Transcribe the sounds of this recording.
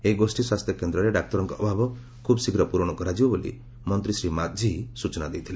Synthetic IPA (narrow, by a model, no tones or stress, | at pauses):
eɡosʈiswast̪ʰjɔkend̪ɾɔɾeɖak̚t̪ɔɾɔŋkɔʔɔbʱabɔ | kʰubsiɡɾɔpuɾɔɽ̃ɔkɔɾad͡ʒibɔbolḭ | mɔnt̪ɾisɾimat̪̚d͡ʒʱiɦisut͡ʃɔnad̪ejt̪ʰile